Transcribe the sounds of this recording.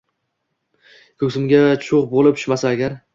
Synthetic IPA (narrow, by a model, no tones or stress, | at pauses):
kʰɵksɪmɡʲat͡ʃʰʊʁbolɪp̚tʰʊ̥ʃmasaaɡʲaɾ